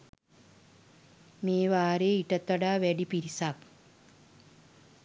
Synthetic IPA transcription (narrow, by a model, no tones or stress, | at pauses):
meːʋaːɾeːiʈət̪ːʋɐɖaːʋæɖipiɾisak